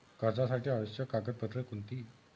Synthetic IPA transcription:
kəd͡zasaʈʰiaʋəɕjəkaɡəd̪̚pət̪ɾəkunt̪iː

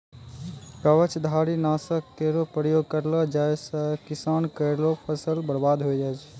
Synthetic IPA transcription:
kəʋət͡ʃʰd̪ʱaɾinaːsək̚t̪eɾopɾəjoɡ̚kəɾlɔd͡ʒajsə̃kisaːnkəɾlopʰəsəlbəɾbad̪ɦojd͡ʒaɛt͡ʃʰ

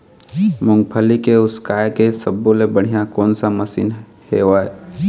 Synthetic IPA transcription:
mʊ̃ŋɡ̚pʰəlikeʊskaːjkesəbːolebəɽ̤ijakɔːnsaməsḭːn | heːwaːe

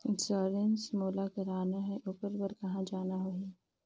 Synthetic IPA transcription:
sɔːɾensmoːlakɐɾaːnaɦɛʔʊpəɾbəɾkɐɦãd͡ʒaːnaɦoɛː

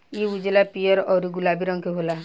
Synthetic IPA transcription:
iud͡ʒelapijɔɾɔɾuɡulabiɾɔŋkʰeɦola

